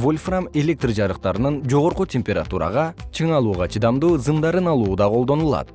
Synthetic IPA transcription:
volʲframe̞lʲe̞k̚t̪rd͡ʒɑɾɯqt̪ɑɾɯnɯnd͡ʒo̞ʁo̞ɾqutʲe̞mʲpʲeɾa̰t̪uɾɑ̰ʁɑt͡ʃʰɯɴɑlˠuːʁɑt͡ʃʰɯd̪ɑmd̪uːzɨmd̪ɑɾɯnɑlˠuːd̪ɑqʰolˠd̪o̞nulˠɑ̰t̪

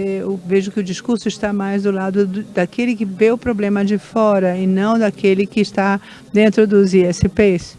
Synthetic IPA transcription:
eveʒʊkɪʊd͡ʒiskuɾsʊɪst̪amajzd̪ʊlad̪ʊd̪ʊd̪akelɪkɪveʊpɾoblẽmɐd͡ʒɪfɔɾɐɪnɐ̃w̃d̪akelɪkɪːst̪a | d̪ẽnt̪ɾʊd̪ʊziɛsɪpes

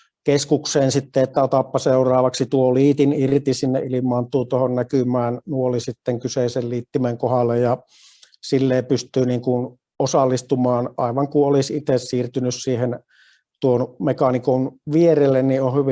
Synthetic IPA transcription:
keskukseːnsit̪ːeet̪ːæot̪ɑpːɑseurɑːʋɑksit̪uoliːt̪inirt̪isinːeʔʔilimˑɑːnt̪uːt̪ohonnækymæːnnuolisit̪ːeŋkyseiselliːt̪ːimeŋkohɑlːejjɑ | silːeːpyst̪yːniːŋkun | osɑlːist̪umɑːnʔɑiʋɑŋkuolisit̪essiːrt̪ynyssiːhen | t̪uonmekɑnikonʋierelːenniohyʋi

